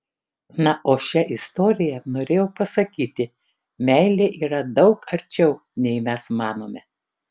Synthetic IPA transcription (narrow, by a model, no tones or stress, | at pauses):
nɐʔoːʃʲɛʔɪst̪oːɾʲɪjɛnoːɾʲeːjoːpɐsɐkʲiːt̪ʲɪ | mʲɛɪlʲeːʔiːɾɐd̪ɒʊkɐɾʲt͡ʃʲɛʊ | nʲɛɪmʲɛsmɑːnoːmʲɛ